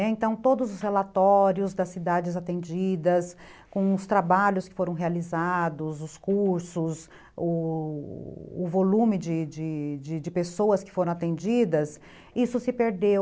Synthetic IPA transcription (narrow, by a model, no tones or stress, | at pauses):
ɛẽnt̪ɐ̃w̃t̪od̪ʊzʊshelat̪ɔɾjʊzd̪ɐsːid̪ad͡ʒɪzat̪ẽnd͡ʒid̪ɐs | kõw̃ʊst̪ɾabaʎʊskɪ̥foɾɐ̃w̃ɦealizad̪ʊzʊskuɾsʊs | ʊ̰ | volũmɪd͡ʒɪd͡ʒɪd͡ʒɪd͡ʒɪpesowɐskɪ̥foɾɐ̃at̪ẽnd͡ʒid̪ɐs | isʊsɪpeɾd̪ew